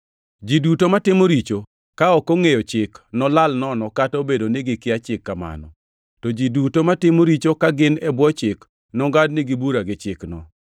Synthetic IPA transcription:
d͡ʒidutomatɪmoɾit͡ʃo | kaɔkɔŋejɔt͡ʃɪknɔlalnɔnɔkatobedonɪɡɪkɪat͡ʃɪkːama̰nɔ̰ | tɔd͡ʒidutomatɪmoɾit͡ʃokaɡɪnɛbwɔt͡ʃɪk | nɔŋɡadnɪɡɪbuɾaɡɪt͡ʃɪknɔ̰

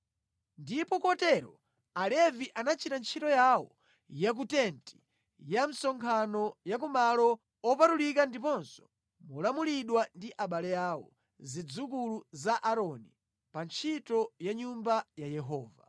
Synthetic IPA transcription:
ndipɔkɔtɛɾɔ | alɛviʔanat͡ʃʰitant͡ʃʰitɔjawɔ̰ | jak̬utɛnti̥ | jam̩sɔŋkʰanɔjak̬umalɔ | ɔpatulikandipɔnsɔ̥ | mulamuliɗwandiʔaɓalɛjaːwɔ̰ | zid͡zuk̬uluzaʔaɾɔni | pant͡ʃʰitɔjaɲumbajajɛɦɔːva̰

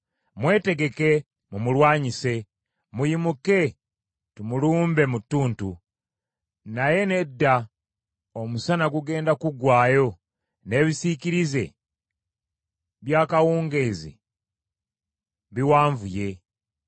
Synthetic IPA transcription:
mwe̞ːte̞ɡe̞ke̞ | mumulwaːɲise̞ | mujimuke̞ | tumuluːmbe̞mutːuːntu | naje̞ne̞dːa | omusanaɡuɡe̞ːndakuɡwaːjo̞ | ne̞ːβisiciɾize̞̰ | βjaːkawuːŋɡezḭ | βiwaːɱvuje̞

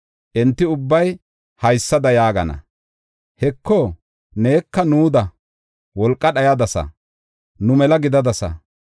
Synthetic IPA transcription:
ʔɛnt̪ːɪʊbːɐj | hɐjsːɐd̪ɐjaːɡɐnɐ̰ | hɛkːo | ne̞ːkːɐnuːd̪ɐ | wɔlkʼːɐɗɐjɐd̪ɐsɐ̰ | nʊmɛlɐɡɪd̪ɐd̪ɐsɐ̰

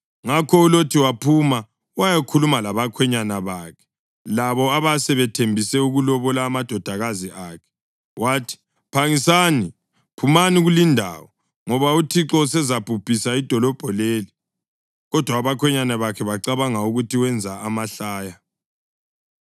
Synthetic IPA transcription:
ŋakʰɔulotʰiwapʰuma | wajakʰulumalaβakʰwɛɲanaβaːkʰɛ̥ | laβɔaβasɛβɛtʰembʱisɛuɣulɔβɔlaːmad̥ʱɔd̥ʱaɣaziʔaːkʰɛ̥ | waːtʰi̥ | pʰaŋisani | pʰumaniɣulindʱa̰wɔ | ŋɔβautʰiǁɔusɛzapupʰʼisaid̥ʱɔlɔb̥ʱɔleːli | ɣɔd̥ʱwaːβakʰwɛɲanaβakʰɛβaǁaβaŋauɣutʰiwɛnd͡zʱaamaɬaːja

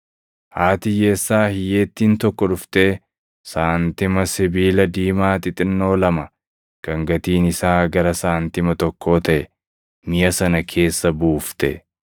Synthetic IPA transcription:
haːt̪ɪje̞ːsːaːhɪje̞ːt̪ːiːnt̪ɔkːɔᶑʊft̪eː | saːnt̪ɪmɐsɪbiːlɐd̪iːmaːt̪ɪt̪ʼɪnːo̞ːlɐmɐ | kɐŋɡɐt̪iːnɪsaːɡɐɾɐsaːnt̪ɪmɐt̪ɔkʰːo̞ːt̪ɐʔɛ | mɪjɐsɐnɐkʰe̞ːsːɐbuːft̪ɛ̰

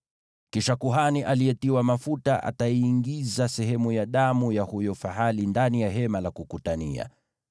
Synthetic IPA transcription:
kiʃakuɦaniʔaliɛtiwamafutaʔa̰taiːŋɡizasɛɦɛmujaɗamujahujɔfaɦalindanijaɦɛmalakukutania̰

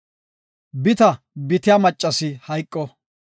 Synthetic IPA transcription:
bɪt̪ɐ | bɪt̪ɪjaːmɐt͡ʃʼːɐsɪhɐjkʼːɔ

